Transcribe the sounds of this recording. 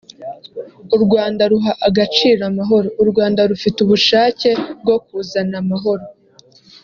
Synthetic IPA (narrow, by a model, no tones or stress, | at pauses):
uɾɡwaːndaɾuɦaʔaɡat͡ʃiːɾamaɦo̞ɾo̞uɾɡwaːndaɾufituβuʃaːce̞b̚ɡo̞k̚uːzanamaɦo̞ɾo̞